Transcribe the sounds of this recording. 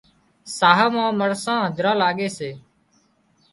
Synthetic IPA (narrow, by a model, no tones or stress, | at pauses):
saːɦəmãːməɽsãːɦəd͡ʒɾãːlaːɠeːseː